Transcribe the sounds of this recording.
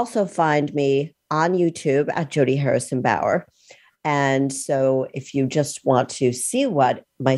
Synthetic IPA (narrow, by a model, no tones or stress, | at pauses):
lˠsoʊfãɪ̃nmi | ə̃njʉtʰʉbɨ̰t̚d̥ʒ̥oʊɾiɦɛɹɨsɨ̃n̩ba̰ʊə̰˞ | ɨ̃nsoʊɪfjɨd͡ʒʌst̚wɑ̃ntʰɨsiwʌt̚ | maɪ